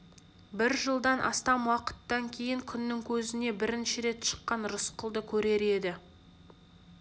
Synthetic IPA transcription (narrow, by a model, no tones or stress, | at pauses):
bɪɾʒəlˠd̪ɑnʔɑ̰st̪ɑmwɑqə̥t̪ːɑŋkʲʰe̞jɪŋkʲʰʏnːɪŋkʲʰɵzɪne̞bɪɾɪnʃɪɾe̞t̪ʃə̥qːɑnɾʊsqəlˠd̪əkʲʰɵɾe̞ɾe̞d̪ɪ